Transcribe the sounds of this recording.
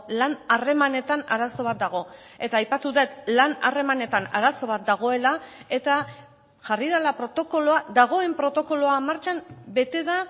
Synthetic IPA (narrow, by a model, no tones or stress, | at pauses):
lanare̞mane̞t̪anaɾaso̞β̞at̪̚d̪aɣ̞o̞ | e̞t̪aːjpat̪uðe̞t̪lana̰re̞mane̞t̪anaɾaso̞β̞at̪̚d̪aɣ̞o̞e̞lae̞t̪a | ʝariðalapɾo̞t̪o̞ko̞loaðaɣ̞o̞e̞mpɾo̞t̪o̞ko̞lo̞amaɾt͡ʃambe̞t̪e̞ða